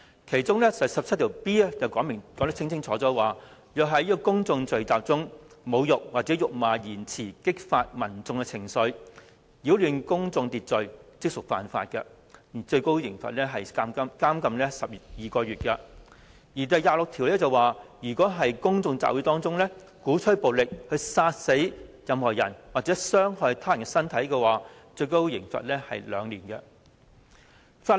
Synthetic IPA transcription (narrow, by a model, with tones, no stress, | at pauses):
kʰe˨˩jt͡sʊ˥ŋlɛː˥sɐ˨sɐ˨p̚t͡sʰt̪̚ʰːwpiː˥ɐ˥jɐ˨wkɔː˨˥ŋmɪ˨˩ŋkɔ˨˥ŋt̪ɐ˥t͡sʰɪ˥ŋt͡sʰɪ˥ŋt͡sʰɔː˨˥t͡sɔː˨˥waː˨ | jœː˨k̚ɦɐ˨˥jiː˥kɔ˧kʊ˥ŋt͡sʊ˧ŋt͡sɵ˨ɥt͡saː˨p̚t͡sʊ˥ŋmo˨˧wjʊ˨k̚waː˨t͡sɛ˨˥jʊ˨k̚maː˨jiː˨˩nt͡sʰiː˨˩kɪ˥k̚faː˧t̚mɐ˨˩nt͡sʊ˧ŋkɛ˧t͡sʰɪ˨˩ŋsɵ˨˧˥ɥ | jiː˨˥wlyː˨˧nkʊ˥ŋt͡sʊ˧ŋt̪iː˨t̚t͡sɵ˨ɥt͡sɪ˥k̚sʊ˨˩k̚fa̰ː˨nfa̰ː˧t̚kɐ̰˧ | jiː˨˩t͡sɵ˧ɥko˥wjɪ˨˩ŋfɐ̰˨t̚lɛː˥ɦɐ˨jaː˥mkɐ˥mkaː˥mkɐ˧mlɛː˥sɐ˨p̚ːjiː˨˩kɔː˧ɥyː˨˩t̚kɛ˧ | jiː˨˩t̪ɐ˨jːaː˨˧lʊ˨k̚t̪ʰi˨˩wlɛː˥t͡sɐ˨waː˨˧jyː˨˩kɔː˨˥ɦɐ˨jkʊ˥ŋt͡sʊ˧ŋt͡sa̰ː˨pwu˨˥t̪ɔː˥ŋt͡sʊ˥ŋlɛː˥ | kuː˨˥t͡ʃʰɵ˥po˨wlɪ˨k̚hɵ˧ɥsaː˧t̚se˨˥jjɐ˨˧mhɔː˨˩jɐ˨˩nwaː˨˩t͡sɛː˨˦˥sœː˥ŋhɔː˨˧jt̪ʰaː˥jɐ˨˩nkɛ˧sɐ˥nt̪ʰɐ˨˥jkɛ˧waː˨t͡sɵ˧ɥko˥wjɪ˨˩ŋfɐ̰˨t̚lɛː˥hɐ˨jlœː˨˧ŋliː˨˩nkɛ̰˧ | faː˧